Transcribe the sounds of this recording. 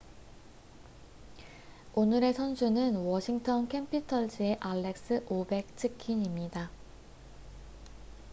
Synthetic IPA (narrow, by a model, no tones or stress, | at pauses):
onɯɾe̞sʰʌnsʰunɯnwʌɕʰiŋtʰʌnkʰe̞mpʰitʰʌɭd͡ʑieʔaɭːe̞k̚s͈ɯʔobe̞k̚t͡ɕʰɯkʰiɲimɲida